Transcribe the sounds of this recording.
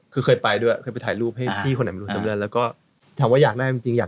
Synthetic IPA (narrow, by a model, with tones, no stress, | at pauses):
kʰɯː˧xʰɤː˧jpa˧jdu˧˥˩kʰɤː˧jpa˧jt̪ʰːjɾuː˥˩p̚ha˥˩jt̪ʰiː˥˩o˧na˨˦mʰː˧u˦˧˩t͡ɕa˨˦mlɯ˧ənlɛː˦˥wkɔː˥˩ | t̪ʰaː˨˦waː˥˩jaː˨˩k̚daː˥˩ji˧ŋt͡ɕi˧ŋjaː˨˩